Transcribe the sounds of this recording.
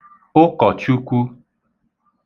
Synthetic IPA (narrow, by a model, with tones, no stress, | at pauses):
o˦kɔ˨t͡ʃu˦kʷu˦